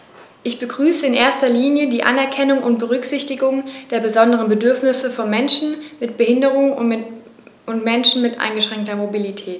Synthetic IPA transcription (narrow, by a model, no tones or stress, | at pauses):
ʔɪçb̥əɡʁyːsəɪnʔḛːɐstɐliːnjədiːʔa̰nɛɐkʰɛnʊŋʔʊ̰ntb̥əʁ̞ʏkz̥ɪçtɪɡʊŋd̥eːɐbəzɔndəʁənbədʏɐfnɪsəfɔnmɛnʃn̩mɪt̚b̥əhɪndəʁ̞ʊŋ | ʊntmɛnʃn̩mɪtʔa̰ɪnɡəʃʁ̥ɛŋktɐmobilitʰɛːt